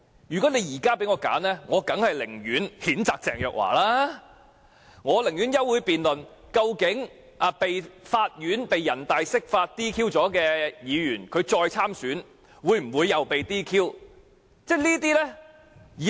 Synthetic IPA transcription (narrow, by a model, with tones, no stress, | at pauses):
jyː˨˩kɔ˨˥ne˨˧jjiː˨˩kaː˥pe˨˥jŋɔː˧ka̰ː˨˥nɛː˥ŋɔː˨˧kɐ˨˥ŋhɐ˨jlɪ̰˨˩ŋjyː˨˥nhiː˨˥nt͡saː˨˧k̚t͡sɛː˨ŋjœː˨˧k̚wa̰ː˨˩laː˥ | ŋɔː˨˧lɪ˨˩ŋjyː˨˥njɐ˥wuː˨˧jpiː˨nlɵ˨n | kɐ˧wkɪ˨˥ŋ | ʔɐ˨˧pe˨jfaː˧t̚jyː˨˥npe˨jːɐ˨˩nt̪aː˨jsɪ˥k̚faː˧t̚t̪iː˥kʰiː˥wt͡sɔː˨˥kɛː˧jiː˨˧jyː˨˩nkʰɵ˨˧ɥt͡sɔː˧jt͡sʰaː˥msyː˨˥n | wuː˨˧jm̩˨˩wuː˨˧jːɐ˨˧wpe˨jt̪iː˥kʰiː˥w | t͡sɛː˥liː˥t̪̬iː˥lɛː˥ | iː˨